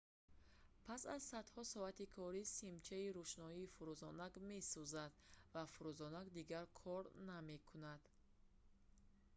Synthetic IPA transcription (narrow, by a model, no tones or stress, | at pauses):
pʰasazsad̪hɔsɔat̪ikʰɔɾisimt͡ʃʰaiɾuʃnɔiːfuɾuzɔnaɡme̞suzad̪vafuɾuzɔnaɡd̪iɡaɾkʰɔɾname̞kʰunad̪̥